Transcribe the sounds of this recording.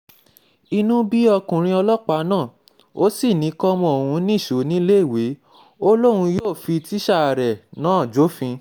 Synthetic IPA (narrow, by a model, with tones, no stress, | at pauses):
i˧nũ˦bi˦ɔ˧kũ˨ɾ̃ĩ˧ɔ˧lɔ˦k͡pa˨˦nãː˦˨ | o˦si˦˨nĩ˨˦kɔ˦mɔ̃˧˨o˨hũ˨˧˦nĩ˦˨ʃo˨˦nĩ˦le˦˨we˨˦ | o˦lo˦ɾũ˧joː˦˨fi˧ti˦ʃa˦˨a˨ɾɛ˨nãː˨˦˨d͡ʒo˨˦fĩ˧